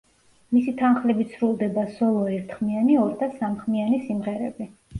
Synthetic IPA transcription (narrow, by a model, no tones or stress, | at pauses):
misit̪ʰanχlɛbit̪sʰɾulˠd̪ɛbasɔlˠɔɛɾt̪ʰχmianiɔɾd̪asamχmianisimʁɛɾɛ̰bi